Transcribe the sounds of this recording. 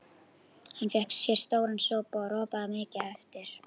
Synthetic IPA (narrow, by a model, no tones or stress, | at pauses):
hanːfɛhksːjɛɾ̥st̪oːwɾansɔːpɔaɾɔːpaðamɪːcɪɛft̪ɪɾ̥